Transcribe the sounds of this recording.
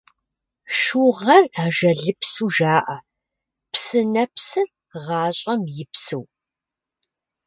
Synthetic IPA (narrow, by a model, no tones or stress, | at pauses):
ʃuʁɐraːʒɐɮɨpsuːʒaːʔɐ | psɨnɐpsɨr | ʁɑːɕʼɐmjɪpsɨw